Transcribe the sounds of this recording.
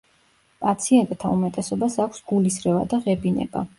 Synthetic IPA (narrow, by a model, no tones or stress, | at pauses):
pʼat̪sʰiɛnt̪ʼt̪ʰaumɛt̪ʼɛsɔbasakʷʰsɡ̥ulisɾɛva̰d̪aʁɛbinɛ̰ba̰